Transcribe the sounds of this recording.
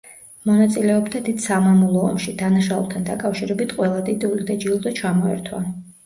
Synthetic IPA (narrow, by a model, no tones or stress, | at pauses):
mɔnat̪sʼilɛɔbd̪ad̪id̪̥samamulˠɔɔ̰mʃid̪anaʃaṵlˠt̪ʰand̪akʼafʃiɾɛbit̪ʰqʼwɛlˠad̪id̪ulid̪ad͡ʒilˠd̪at͡ʃʰamɔɛ̰ɾt̪ʰwa̰